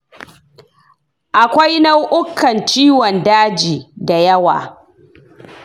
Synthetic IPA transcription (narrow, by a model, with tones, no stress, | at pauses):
ʔa˨kʷa˦jna˦wʔʊ˦kːɐ˨nt͡ʃiː˦wɔ˨ndaː˦d͡ʒiː˨da˨jɐ˦wa̰ː˨